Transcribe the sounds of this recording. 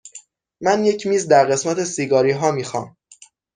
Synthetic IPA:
mænje̞cʰmiːzd̪æɾɢe̞smæt̪ʰe̞siːɡɒːɾiːɦɒːmiːxɒ̰ːm

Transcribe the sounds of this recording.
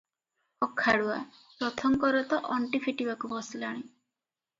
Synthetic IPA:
ɔkʰːaɽua̰ | pɾɔt̪ʰɔŋkɔɾɔt̪ɔʔɔɳʈipʰiʈibakubɔsilaɽ̃i

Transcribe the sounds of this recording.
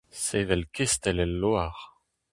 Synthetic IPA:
sevɛlkʰest̪ɛlɛlːoaʁ

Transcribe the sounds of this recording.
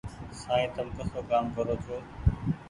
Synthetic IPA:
saːiːt̪əlkəsoːkaːmkəɾoːt̪ʰoː

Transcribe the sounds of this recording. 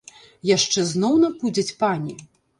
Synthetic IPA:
jaʂt͡ʂɛznɔwnɐpud͡zʲɐt͡sʲpanʲi

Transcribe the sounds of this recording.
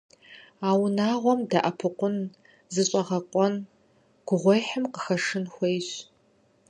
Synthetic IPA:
aːwnaːʁʷɔmdaʔɐpʰɨqʷʊn | zɨɕʼɐʁɐqʷʼɔn | ɡ̥ʷʊʁʷɔjħəmqəxɐʂɨnxʷejɕ

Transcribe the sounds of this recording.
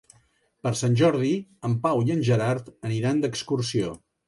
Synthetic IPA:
pəɾsanʲʒɔɾð̞iəmpawiənʲʒəɾaɾt̪əniɾand̪əkskursio

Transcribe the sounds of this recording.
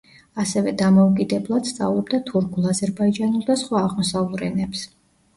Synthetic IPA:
asɛvɛd̪amɔukʼid̪ɛblˠad̪̥st̪sʼa̰vlˠɔb̚d̪at̪ʰuɾkʰulˠazɛɾbaid͡ʒanulˠd̪asχwaːʁmɔsalˠɾɛnɛps

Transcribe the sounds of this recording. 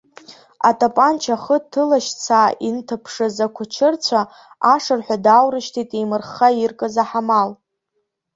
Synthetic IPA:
a̰tʼapʼant͡ʃʰaχətʰːɨlaʃt͡sʰaːintʰɨpʰʂɨzakʷʰʊt͡ʃʰɨrt͡sʷʰa | aʂɨrħʷᶣadawrɨʃtʰitʼemɨrχairkʼɨzaħamal

